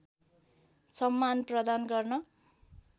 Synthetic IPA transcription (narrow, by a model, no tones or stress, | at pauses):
sʌmːanprʌd̪anɡʌrnʌ